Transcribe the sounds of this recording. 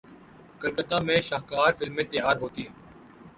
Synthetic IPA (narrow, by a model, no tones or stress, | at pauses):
kəɾkət̪ãːmẽːʃaːɦkaːɾfɪlmːẽːt̪ejaːɾɦoːt̪iːɦ